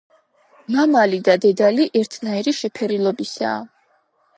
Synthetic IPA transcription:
mamalid̪ad̪ɛd̪aliʔɛɾt̪ʰnaiɾiʃɛpʰɛɾilˠɔbisa̰ː

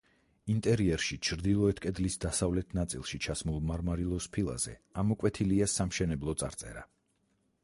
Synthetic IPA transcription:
int̪ʼɛɾiɛɾʃit͡ʃʰɾd̪ilˠɔɛt̪ʰkʼɛd̪lisd̪asavlɛt̪ʰnat̪sʼḭlˠʃit͡ʃʰasmulˠmaɾmaɾilˠɔspʰilˠa̰z̥ɛ̰amɔkʼwɛt̪ʰiliasamʃɛnɛblˠɔt̪sʼa̰ɾt̪sʼɛ̰ɾa

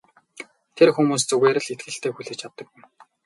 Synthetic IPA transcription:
t̪ʰerxumuːs̬t͡sɵɣeːɾɘ̆ɮet̪̚ɡɘ̆ɬt̪ʰeːxuɮɘ̆t͡ɕʰat̪ːə̆kwɪ̆m

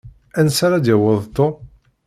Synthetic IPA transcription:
ænsaɾad̪jəwəðˤt̪ːo

